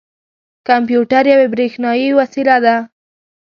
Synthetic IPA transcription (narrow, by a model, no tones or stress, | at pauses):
kampjuʈaɾjawebɾexnɑjiwasilad̪a